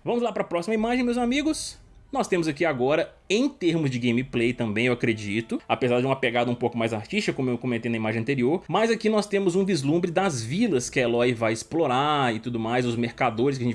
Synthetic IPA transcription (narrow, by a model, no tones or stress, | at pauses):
vɐ̃mʊzlapɾɐpɾɔsimɐimaʒẽj̃mewzamiɡʊs | nɔst̪ẽmʊzakiaɡɔɾɐ | ẽj̃t̪eɾmʊzd͡ʒɪɡẽj̃miplejt̪ɐ̃mbẽj̃ewakɾed͡ʒit̪ʊapezaɾd͡ʒɪũmɐpeɡad̪ɐũpowkʊmajzaɾt͡ʃisʃt͡ʃɪkɐkõmewkõmẽt̪ejnɐimaʒẽɐ̃nt̪eɾioɾmɐzakinɔst̪ẽmʊzũvizlũbɾɪd̪ɐzvilɐskɪelɔjvajɪsploɾaɪt̪ud̪ʊmajzʊzmeɾkad̪oɾɪskɐʒẽɲt͡ʃ